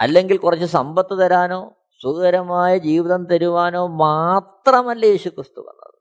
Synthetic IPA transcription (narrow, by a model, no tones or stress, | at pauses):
ɐ̰lːe̞ŋɡilkurɐt͡ɕːɨsɐmbɐt̪ːɨt̪ɐɾaːnoː | suɣɐɾɐmaːjɐd͡ʑiːʋiðɐnt̪ɐɾuʋaːno̞ːmaːt̪rɐmɐlːɐjeːɕukrɨst̪uʋɐ̰nːɐ̰ðɨ